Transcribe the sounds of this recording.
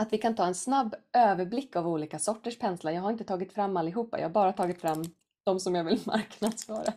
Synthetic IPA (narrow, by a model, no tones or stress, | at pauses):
at̪vɪkʰant̪ʰɑːɛnsnabːøːvəɾblɪkːavuːliːkasɔʈːəʂpʰɛnslaɾjɑːɡhaɾɪnt̪ə̥t̪ʰɑːɡɪt̪fɾamːalːɪɦuːpːa̰jɑ̰ːhaɾbɑːɾat̪ʰɑːɡɪt̪fɾamː | d̪̥ɔmsɔmjɑːɡvɪlma̰ɾknad̪sfœːɾa